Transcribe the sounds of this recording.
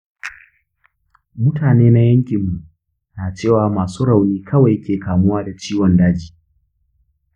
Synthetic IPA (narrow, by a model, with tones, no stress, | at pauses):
mʊ˦tʰaː˨neː˦na˦jɐ˦ŋkʲɪ˨mːu˨ʔ | naː˨t͡ʃeː˦˨waː˨maː˨suː˦ɽa˨wniː˦kʰɐ˦wa˨jkʲeː˨kaː˨mʊ˦waː˦da˨t͡ʃiː˦wɔ˨ndaː˦d͡ʒiː˦